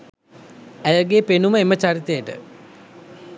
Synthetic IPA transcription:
æjəɡeːpenuməemət͡ɕaɾit̪ejəʈə̰

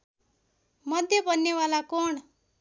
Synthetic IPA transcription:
mʌd̪ʱjʌbʌnːewalakoɳ

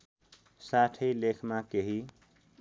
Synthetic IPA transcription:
saʈʰəjlekʰmakeɦi

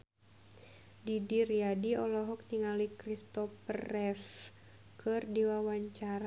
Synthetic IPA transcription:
didiriadiɔlɔɦɔk̚niŋalikɾist̪ɔpərɛf | kɨrdiwawaɲt͡ʃaɾa

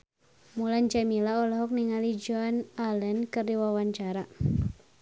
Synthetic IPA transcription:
mulaɲd͡ʒamilaɔlɔɦɔk̚niŋalid͡ʒɔnalənkɨrdiwawaɲt͡ʃaɾa

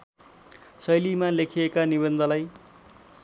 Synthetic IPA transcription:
sʌjlimalekʰijekanibʌnd̪ʱʌlaj

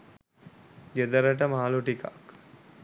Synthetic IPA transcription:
ɡed̪əɾəʈ̬əmaːluʈika̰k

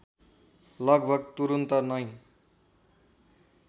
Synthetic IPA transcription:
lʌɡbʱʌɡt̪uɾunt̪ʌnʌj̃

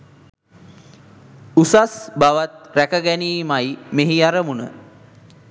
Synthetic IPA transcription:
usasbaʋat̪̚ɾækəɡæniːmajmeɦiaɾəmunə̰

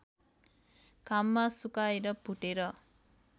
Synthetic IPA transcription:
kamːasukajɾəpuʈiɾə

